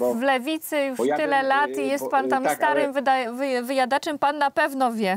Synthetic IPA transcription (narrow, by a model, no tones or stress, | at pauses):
vlɛvʲit̪sɘjuʂt̪ɘlɛlat̪ijɛst̪̚pant̪amst̪aɾɘmvɘd̪avvɘjad̪at͡ʂɛmpanːapɛvnɔvʲjɛ